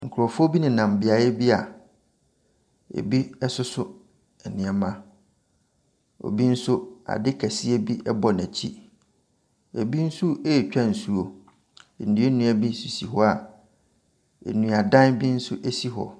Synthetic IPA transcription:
ŋ̩˨kʰʊ˨ɾɔ˨fʊ˦o˦bi˦nɪ̃˨nã˨m˨bɪ˨a˨jɛ˦bi˦a˨ | ḛ˨bi˦ɛ˦sʊ˦sʊ˦ | ɛ˨nɪ̃˨ɛ˨mã˦ | o̰˨bi˦n̩˦sʊ˦a̰˨dɪ˦kʰæ˨sɪ˦e˦bi˦ʔɛ˦bɔ˨næ˨t͡ɕʰi˦ | ḛ˨bi˦n̩˦sʊ˦eː˦˨t͡ɕᶣã˦n̩˨su˦o˨ | n̩˨dɪ˨˦e˦nũ˦æ˨bi˦su˨si˨ɦɔ˦a˨ | ḛ˨nũ˨a˨dã˦nbi˦n̩˦sʊ˦ʔe˦si˦ɦɔ̰˨

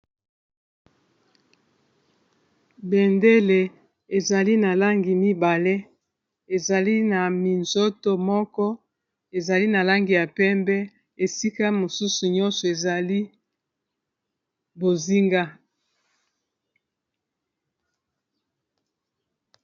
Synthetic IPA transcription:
bɛ˨nde˦le˨ | e˨za˨li˦na˨la˦ŋɡi˨mi˦ba˨le˦ | e˨za˨li˦na˨mi˨nzo˦to˦mɔ˦kɔ˦ | e˨za˨li˦na˨la˦ŋɡi˨ja˨pɛ˦mbɛ˦ | e˨si˦ka˦mo˨su˦su˨ɲɔ˦nsɔ˨e˨za˨li˦ | bo˨zi˦ŋɡa˦

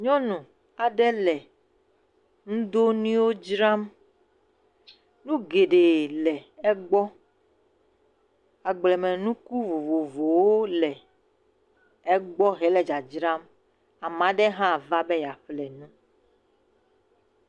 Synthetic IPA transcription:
ɲɔ̃˦nũ˨ | a˨ɖɛ˦lɛ˨ | ŋũ˦d̪o˦nĩ˦wo˦d͡ʒɾa˦m | nũ˦ɡe˨ɖe˨lɛ˨ɛ˦ɡ͡bɔ˦ | a˨ɡ͡blɛ˨mɛ̃˨nũ˦ku˦vo˨vo˨vo˨wo˦lɛ˨ | ɛ˦ɡ͡bɔ˦ɦɛ˨lɛ˨d͡ʒa˨d͡ʒɾa˦m | a˨mã˨ɖɛ˦ɦã˦˨va˦bɛ˦ja˨ɸlɛ˨nũ˦

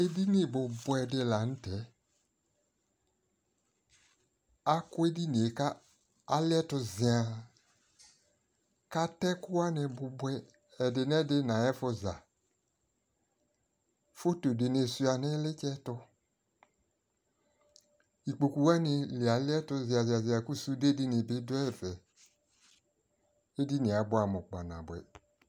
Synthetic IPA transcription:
e˦di˦nɪ˨bʊ˨bwɛ˨dɪ˦la˨n̩˦tɛ˨˦ | a˦kʊ˦e˦di˦ne˨e˨ka˦ | a˨˦lɪ˦ɛ˦tʊ˧zɪ˨a˨ | ka˦tɛ˦kʊ˦wa˦nɪ˨bʊ˨bwɛ˦ | ɛ˨dɪ˨n˦ɛ˦dɪ˦nã˨ɛ˦fʊ˦za˨ | fo˦to˨dɪ˨ne˨su˦a˨nɪ˦lɪ˦t͡ʃɛ˦tʊ˦ | i˨k͡po˨ku˨wa˦nɪ˨lɪ˨a˨lɪ˦ɛ˦tʊ˧zɪ˨a˨zɪ˨a˨zɪ˨a˨ku˦su˦de˦di˦nɪ˨bɪ˦dʊ˦ɛ˦˨vɛ˨ | e˦di˦nɪ̃˨a˨˦bʊ˦a˨mɔ˨k͡pa˨nã̰˨bɛ̰˨

